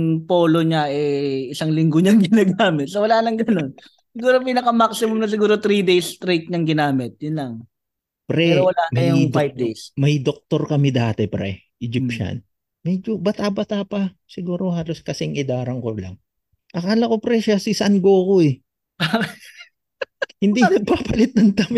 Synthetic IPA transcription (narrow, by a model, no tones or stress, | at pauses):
ŋpoːloɲaɛɪsaŋlɪŋɡoɲaŋɡɪnaːɡaːmɪt̪̚sowɐlaːlɐŋɡɐno̞n | sɪɡuːɾopiːnɐkɐmaksɪmʊmnɐs̬ɪɡuːɾot̪ɾid̪ejst̪ɾejt̪̚ɲɐŋɡɪnaːmɪt̪̚jʊnlɐŋ | pɾɛwɐlaːnmɐjʊdfajb̚d̪ejsmɐjd̪ok̚t̪o̞ɾkɐmɪd̪aːt̪ɛpɾɛ̰ | ʔɪd͡ʒɪpʃɐ̰n | mɛd͡ʒobɐt̪abɐt̪aːpɐsɪɡuːɾo̞haːlo̞skɐsɛŋɪd̪aːɾɐŋkolɐ̰ŋ | ʔɐkaːlɐko̞pɾɛʃasɪsɐŋɡoːko̞ɛ | hɪnd̪inɐɡ̚paːpɐlɪt̪̚nɐŋd̪amɪ